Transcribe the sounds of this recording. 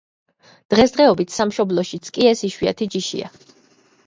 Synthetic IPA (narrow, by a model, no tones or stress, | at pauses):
d̪̥ʁɛsd̪ʁɛɔbit̪ʰsamʃɔblˠɔʃit̪sʰkʼiɛsiʃwia̰t̪ʰid͡ʒiʃḭa̰